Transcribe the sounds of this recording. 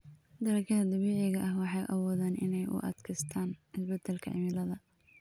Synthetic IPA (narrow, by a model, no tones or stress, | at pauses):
d̪ɐɾɐkɐðɐd̪ɐβiːʕɪɣɐʔɐhwɑħɑjʔɐ̰wɔːðaːnʔɪ̰nɛjʔʊ̰ʔɐ̰d̪kʰɐst̪ʰaːnɪsbɛd̪ːɛlkʰɐ̰ʕɪ̰mɪlɐðɐ